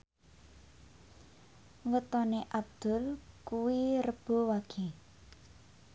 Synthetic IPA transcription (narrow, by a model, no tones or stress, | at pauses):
wət̪ɔneʔab̚d̪̥ʊ̤lkuwirəb̥o̤waɡ̥i